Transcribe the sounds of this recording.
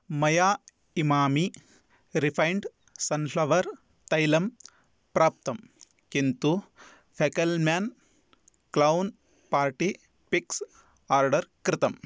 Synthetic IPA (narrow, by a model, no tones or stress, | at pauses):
mɐjaː | imaːmi | ɾipʰɐjɳɖ | sɐnpʰlɐʋɐɾ | t̪ɐjlɐm | pɾaːp̚t̪ɐm | kint̪u | pʰekɐlmaːn | klɐwn | paːɾʈi | piks | aːɾɖɐɾkɾɪt̪ɐm